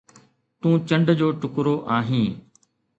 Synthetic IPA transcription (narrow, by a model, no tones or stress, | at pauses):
t̪ũːt͡ɕə̃ɳɖd͡ʑoːʈʊkɾoʔaːɦĩː